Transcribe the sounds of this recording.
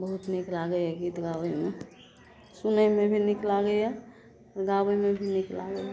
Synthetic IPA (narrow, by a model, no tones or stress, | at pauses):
bəɦut̪niklaɡəjɛɡit̪ɡawəjme | sunəjmebʱiniklaɡəjɛ | ɾɡabəjmebʱinikla̰ɡəj